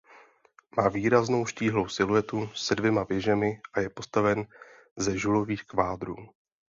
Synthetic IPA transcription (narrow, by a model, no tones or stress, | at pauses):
maːviːɾazno̞wʃciːɦlo̞wsɪluɛt̪usɛdvjɛmavɛʒɛmɪʔajɛpo̞st̪avɛn | zɛʒulo̞viːxkvaːd̪ɾṵː